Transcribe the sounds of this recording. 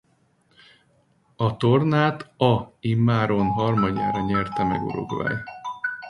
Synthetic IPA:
ɒt̪o̞rnaːt̪ɒimːaːɾonɦɒrmɒɟa̰ːɾɒɲɛrt̪ɛmɛ̰ɡṵɾo̞̰ɡʋa̰ːj

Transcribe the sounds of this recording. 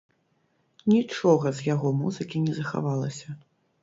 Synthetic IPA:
nʲit͡ʂɔɣɐzjaɣɔmuzɨkʲinʲɛzɐxa̰valˠɐsʲɐ

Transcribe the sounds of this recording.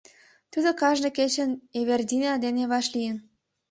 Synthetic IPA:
t̪ud̪okɑʒnɤ̆ket͡ɕə̆neβerd̪ʲined̪eneβɑʃlijə̆n

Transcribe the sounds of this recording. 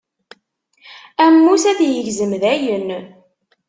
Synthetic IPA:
æmːusæðjəʝzəmðæjən

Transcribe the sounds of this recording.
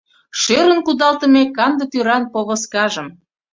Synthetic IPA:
ʃeɾənkud̪ɑlt̪ə̆mekɑnd̪ə̆t̪yɾɑnpoβə̆skɑʒəm

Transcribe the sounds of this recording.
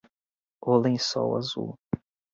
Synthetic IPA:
olẽj̃sɔ̰wa̰zṵ

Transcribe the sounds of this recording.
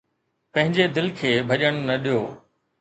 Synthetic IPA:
pɐ̃ɦɪ̃ɲd͡ʑed̪ɪlkʰeːbʱɐʄəɽ̃nɐɗijoː

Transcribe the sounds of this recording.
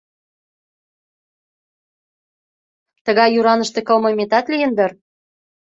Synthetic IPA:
t̪əɣɑjːuɾɑnəʃt̪ekə̆lməmet̪ɑt̪lijə̆nd̪ər

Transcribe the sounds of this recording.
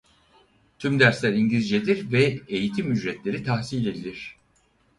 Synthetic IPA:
t̪ʰymd̪æɾslʲæɾiɲɟʲid͡ʒed̪iɾvɛejit̪ʰimyd͡ʒɾɛt̪lʲe̞ɾit̪ʰahsilʲe̞d̪ilʲiɾ̝̥

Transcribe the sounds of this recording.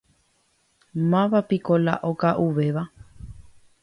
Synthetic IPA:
mãʋapikola̰ʔokaʔuʋeʋa

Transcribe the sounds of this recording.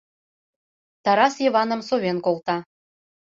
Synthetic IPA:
t̪ɑɾɑsjiβɑnə̆msoβenkolˠt̪ɑ

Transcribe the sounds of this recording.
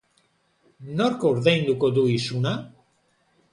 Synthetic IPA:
norkoɾðejnd̪ukod̪uisuna

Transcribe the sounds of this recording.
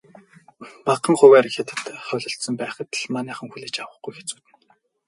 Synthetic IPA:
paqə̆ŋχʊwæːɾ̆xet̪ɘ̥̆t̪χœɮɞ̆ɬt̪sɞ̆mpæːχə̆t̪ɮmanʲæːχə̆ŋxuɮeːt͡ɕawə̆χɡujxe̥t͡suːt̪ɘ̆n

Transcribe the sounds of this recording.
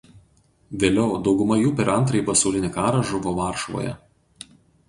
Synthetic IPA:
ʋʲeːlʲɛʊd̪ɒʊɡʊmɐjuːpʲɛɾɐnt̪ɾɐɪpɐsɒʊlʲɪnʲɪkɑːɾɐʒʊʋoːʋɑˑɾʃʋo̰ːjɛ̰

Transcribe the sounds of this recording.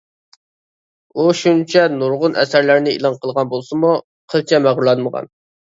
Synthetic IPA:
uʃunt͡ʃʰɛnuɾʁʊnʔɛ̰sæɾlæɾnɪḭlˠɑnqʰəlˠʁɑnbolˠsɨmu | qʰəlˠt͡ʃʰɛmæʁɾulˠɑnməʁɑ̰n

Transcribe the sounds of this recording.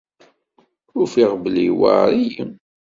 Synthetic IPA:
ʊfiʁbəliwa̰ɾijəm

